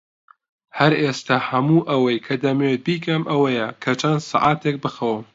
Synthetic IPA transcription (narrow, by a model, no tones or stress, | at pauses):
hɐɾest̪ahɐmuːʔɐwɐjkʰɐd̪ɐmet̪̚biːkʰɐmʔɐwɐjɐkʰɐt͡ʃʰɐnsɨ̰ʕaːt̪ʰek̚bɨxɐwɨm